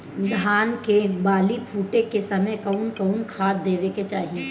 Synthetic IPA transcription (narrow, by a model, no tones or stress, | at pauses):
d̪ʱaːnkebaːlipʰuːʈekesɐməjkɐʊnkɐʊnkʰaːd̪̚d̪eːʋeket͡ʃaːɦie